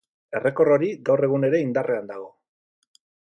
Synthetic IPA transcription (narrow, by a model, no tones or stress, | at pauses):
e̞re̞ko̞ro̞ɾiɡawre̞ɣ̞une̞ɾe̞ind̪arʔe̞and̪aɣ̞o̞